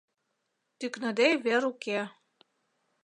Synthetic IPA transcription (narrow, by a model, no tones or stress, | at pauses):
t̪yknɤ̆d̪eβeɾuke